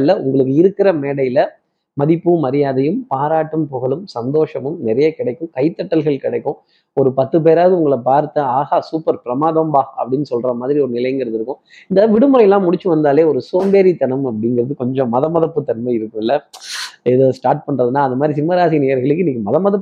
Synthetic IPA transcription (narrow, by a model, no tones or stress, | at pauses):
lːɐʊ̰ŋɡɐɭɯkːɯɪɾɯkːɪɾɐmeːɽɐjɪlɐ | mɐðɪpːɯmɐɾɪjaːðɐjɯmpaːɾaːʈːɐmpɔɣɐɭɯmsɐnd̪oːʂɐmɯmnɛɾɐjɐkɪɽɐɪkːɯ̃mkɐɪt̪ːɐʈːɐlɣɐɭkɪɽɐɪkːʊ̃ | ɔɾɯpɐt̪ːɯp̬eːɾaːðɯʊŋɡɐɭɐpaːɾt̪ːɐaːɣaːsuːpɐɾpɪɾɐmaːðoːmbaːɐpːɐɽɪnːɯsɔlɾɐmaːðɪɾiɔɾɯnɪlɐjɐŋɡɐɾɐðɪɾɯkːʊ̃ | ɪnd̪ɐʋɪɽɯmɯɾɐjɛlːãːmʊɽɪt͡ʃːɯʋɐnd̪aːleːɔɾɯsoːmbeːɾit̪ɐnɐmɐpːɐɽɪŋɡɪɾɐðɯkɔɲd͡ʒɔ̃mɐðɐmɐðɐpːɯt̪ːɐnmɐɪɪɾɯkːɯ̃mɪlːɐ | ɛðoːsʈaːɾʈ̚pɐɳɾɐðɯnːãːɐðɐmaːd̪ɾis̬ɪmːɐɾaːsineːjɐɾɣɐɭɯk̬ːɯniːkːɯmɐðɐmɐðɐpː